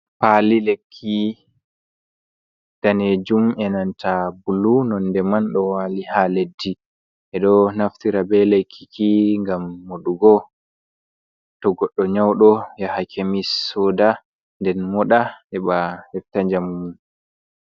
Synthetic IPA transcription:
palilekʰːi | d̥aned͡ʒumɛnantʰabulunɔndɛmanɗɔwalihaledːi | ʔɛɗɔnaftiɾabɛlekʰːikʰiŋɡamːoɗuɡɔ | tɔɡɔɗːɔɲawɗɔjahakʰemisːɔːda | ndɛnmɔɗaɛɓahɛftaɲd͡ʒamumun

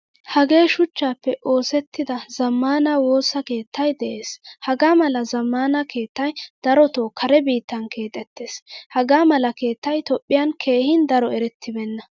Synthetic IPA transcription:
hɐɡe̞ːʃʊt͡ʃːaːpːɛʔo̞ːsɛt̪ːɪd̪ɐzɐmːaːnaːwo̞ːsːɐke̞ːt̪ːɐjd̪ɛʔe̞ːshɐɡaːmɐlɐzɐmːaːnɐke̞ːt̪ːɐjd̪̥ɐɾɔt̪oːkʰɐɾɛbiːt̪ːɐnkʰe̞ːt̪ʼɛt̪ːe̞ːshɐɡaːmɐlɐke̞ːt̪ːɐjt̪ɔpʼːɪjɐnkʰe̞ːhɪnd̪ɐɾɔɛɾɛt̪ʰːɪbɛnːɐ

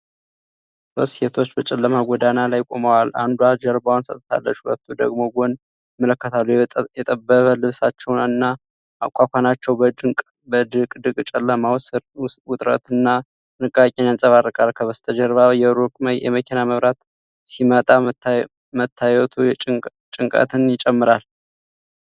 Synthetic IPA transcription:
soset̪ʰo̞t͡ʃːbət͡ʃʼɛlːəmaɡʷɔd̪analajkʼo̞̰məwala̰nd̪uad͡ʒəɾbawnsə̰t̪ʼt̪ʰa̰lːə̰t͡ʃːhulə̰t̪ʰːud̪əɡmo̞ɡon | mələkːət̪ʰalːujɛt̪ʼəbːəβəlɨβsat͡ʃːɛwnɨnːa | akʷʰʼakʷanat͡ʃːɛwbəd̪ɨkʼ | bəd̪ɨkʼd̪ɨkʼt͡ʃʼɛlːəmawswʊt̪ʼɾə̰t̪ɨnːa | nɨkʼːakʼɛnjansʼəβarɨkʼalkʰəβəst̪ʼʰəd͡ʒəɾβajɛɾokʼməjjɛ̰məkʰinaməβɾat̪ | simət̪ʼa | mət̪ʰːajwɛt̪ʰu | t͡ʃʼɨŋkʼə̰t̪ʰɨnjɪt͡ʃʼɛmːɨɾal

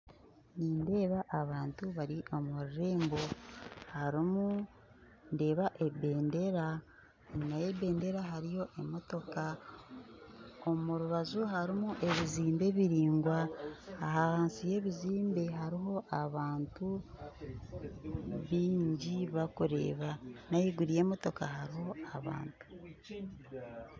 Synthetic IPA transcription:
niːnde̞ːβaʔːβaːntuβaɾiʔo̞muɾiɾe̞ːmbo̞haɾimu | nde̞ːβaʔe̞be̞ːnde̞ɾa | najebe̞ːnde̞ɾaɦaɾijo̞ʔemoto̞ka | omuɾuβazuɦaɾimuʔe̞βiziːmbe̞βiɾiːŋɡwaːɦahaːnsije̞βiziːmbe̞ɦaɾiɦo̞ʔaβaːntu | βiːɲɟiβakuɾe̞̰ːβanajiɡuɾije̞ːmo̞to̞kaɦaɾiho̞aβa̰ːntu̥

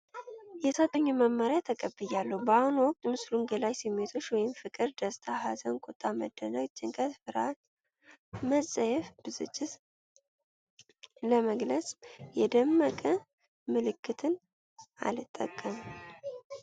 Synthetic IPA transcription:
jɛsat̪ʰʼːəɲːuməmːəɾjat̪ʰəkʼəbɨjalːəhubəahunwɔk̚ʼt̪ʼmɨsluŋɡəlajsɨmːet̪ʰo̞t͡ʃːwɔjɪmfɨkʼɨɾd̪əst̪ʰaɦazənkʼot̪ʼːamə̰d̪ːənawt͡ʃːɨŋkʰəfɨɾa̰t̪ | məsʼəjɛfb̥ɨzɨ̰t͡ʃʼːɪt̪ | ləməɡləsʼjɛd̪əmːəkʼə | mɨlɨkːɨt̪ʰɨn | a̰lɨt̪ʼːə̰kʼːəm

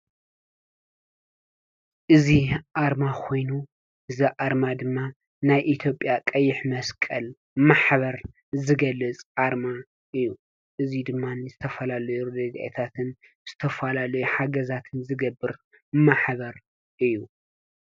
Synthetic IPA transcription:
ʔɨziʔaɾmakʰo̞jnu | ʔɨziʔaɾmad̪ɨmːa | najʔit̪ʰjo̞pʼːjakʼɐjːɪħmɐskʼɐl | maħβɐɾ | zɨɡɐlːɨt͡sʼʔaɾma | ʔɨjːu | ʔɨzid̪ɨmːanzɨt̪ʰɐfɐlalɐjuud̪ɐd̪ʔḛt̪ʰat̪ʰɨn | z̥ɨt̪ʰɐfɐlalɐjuħaɡɐzat̪ʰɨnzɨɡɐbːɨɾ | maħβɐɾ | ʔɨjːu

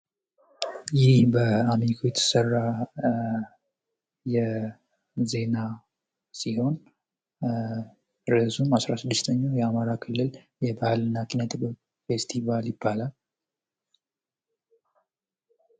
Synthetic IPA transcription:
jɪhbəamikʰojɛt̪ʰːɨ̥sərːa | jɛ | ze̞na | siho̞n | ɾəzumasɾasɨd̪ːɨst̪ʰəɲːajɛamaɾakʰɨlːɨl | jɛbahlɨnːakʰinət̪ʰb | fe̞st̪ʰivaljɪbːalal

